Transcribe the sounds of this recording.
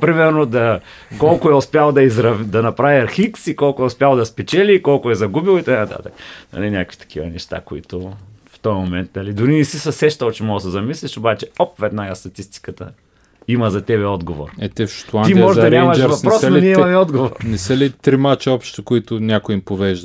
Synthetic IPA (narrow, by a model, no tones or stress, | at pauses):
pɾimɛɾnod̪ɐ | kɔlˠkʊɛʊspʲjalˠd̪ɐizɾɐvd̪ɐnɐpɾaviɐɾxiksikɔlˠkʊɛʊspʲjalˠd̪ɐspɛt͡ʃɛliːkɔlˠkʊɛzɐɡubilˠit̪ɐkanɐt̪a̰t̪əknɐ̰linʲakəkvit̪ɐ̥kʰivɐ̰nɛʃt̪a̰koḭt̪ʊft̪ɔjɐmomɛnt̪nɐlid̪ʊɾinɛsisɐsɛʃt̪əlˠt͡ʃɛmɔɡəsɛzɐmisliʃobat͡ʃɛɔpvɛd̪naɡast̪ɐt̪ist̪i̥kət̪ə | imɐzɐt̪ɛβɛɔd̪ɡovo̰ɾɛt̪ɛfʃo̥t̪lˠanimɔʒɛd̪ɐnɾʲɛamɐʃd͡ʒɾvɐpnɾɔsnoniɛimɐmɛɔd̪ɡovoɾɾnɛsəlit̪ɾimat͡ʃəɔpʃt̪okoit̪ʊnʲakʊimpovɛʒd̪ə